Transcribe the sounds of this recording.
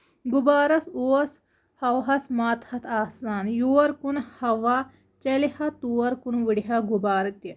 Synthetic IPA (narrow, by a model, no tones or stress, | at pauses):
ɡubaːɾɐsoːs | hɐwɦɐsmaːt̪hɐt̪ʰaːsaːnjuːɐɾkunhɐʋaː | t͡ʃɐlihɐt̪uːɐɾkunʋiɽiɦɐɡubaːɾɐt̪ɐ